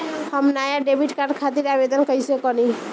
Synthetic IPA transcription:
həmnajaɖebʱiʈkaɾɖkʰat̪iɾabed̪ənkəjsekɔni

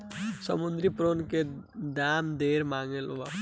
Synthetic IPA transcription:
səmund̪ɾipɾonke | d̪aːmd̪eɾmaŋelʋa

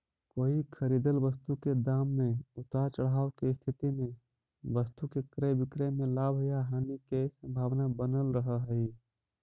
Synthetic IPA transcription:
koːikʰəɾid̪əlʋəst̪uked̪amːeʊt̪at͡ʃəɽ̤aːokeɪst̪ʰɪt̪imẽ | ʋəst̪ukekɾəbɪkɾemelabʱjaɦaːnikesə̃mbʱaːʋnabənəlɾəɦəɦəi

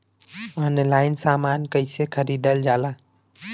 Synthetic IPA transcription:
ɔnlajnsamankəjsekʰəɾid̪əld͡ʒala

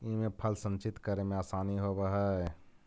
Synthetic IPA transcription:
imẽpʰəlsə̃nt͡ʃɪt̪kəɾemẽaːsaːniɦobəɦə

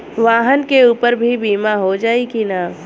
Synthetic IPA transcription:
ʋaːɦənkeuːpəɾbʱibiːmaɦod͡ʒaːikinaː

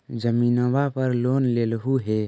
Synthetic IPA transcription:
d͡ʒəminəwapəɾloːnlelɦuɦe

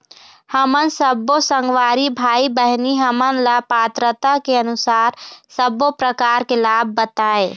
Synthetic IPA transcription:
həmənsəbːosə̃ŋɡwaːɾibʱaːibəɦniɦəmənləpaːt̪ɾət̪akeənʊsaːɾsəbopɾəkaːɾkelaːb̚ʱːət̪aːe

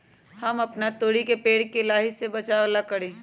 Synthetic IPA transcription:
hɐmɐpnat̪oːɽikepeːɽkelaːɦisebɐt͡ʃaːlakɐɽẽː

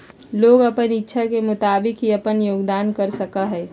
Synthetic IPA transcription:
loːɡəpənɪtːʃʰakemʊt̪aːbɪkɦiɐpənjoːɡd̪aːnkəɾsəkaɦɛː

